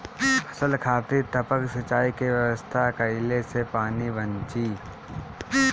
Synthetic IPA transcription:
pʰəsəlkʰaːt̪it̪əpəksɐt͡ʃaːikeʋjəwəst̪ʰakɐɪlesepaːnibə̃nt͡ʃiː

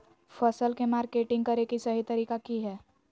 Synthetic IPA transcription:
fʰəsəlkemaːɾkeːʈɪ̃ŋɡ̚kɐɾekisɐɦit̪ɐɾiːkakiɦɛː

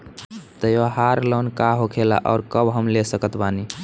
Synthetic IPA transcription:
t̪əjoɦaɾlɔnkaɦokʰela̰ʔɔʊɾkəbɦəmlesəkət̪bani

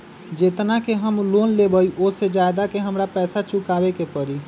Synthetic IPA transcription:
d͡ʒet̪nakeɦəmlonlebəiʔosed͡ʒajd̪akeɦəmɾapɛːsat͡ʃukabekepəɾi

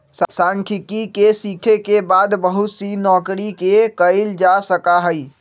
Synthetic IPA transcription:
ssaŋkʰɪkikesikʰekebaːd̪bəɦut̪sinɔːkɾikekəɪld͡ʒasəkaɦəi

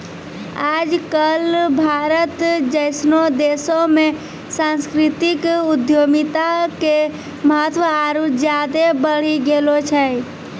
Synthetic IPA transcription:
aːd͡ʒkəlbʱaːɾət̪d͡ʒəɪsnod̪eːsõmẽ | sãnskɾɪt̪ɪkʊd̪joːmit̪ake | məɦət̪ʋəaɾut̪d͡ʒjad̪ebəɽ̤iɡeːlot͡ʃʰɛ

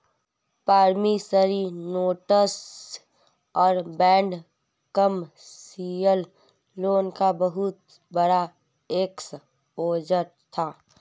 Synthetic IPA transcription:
paːɾmisəɾinoːʈəs | ɔːɾbɛ̃ːɳɖ | kəm | siəlː | oːnkabəɦʊt̪ | bəɽa | eks | oːd͡ʒəɾt̪ʰaː

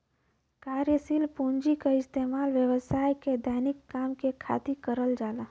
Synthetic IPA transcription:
kaːɾjəsilpuɲd͡ʒikaɪst̪eːmaːlʋjəʋəsaːjked̪ʱaːnɪkːaːmkekʰa̰ːt̪ikəɾəld͡ʒaːla

